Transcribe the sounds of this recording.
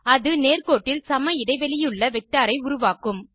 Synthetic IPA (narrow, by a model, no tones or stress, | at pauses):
ɐðɯneːrkoːʈːɪlsɐmɐjɪɽɐɪʋɛɭɪjɯɭːɐʋɛk̚ʈaːɾɐɪʊɾʊʋaːkɯm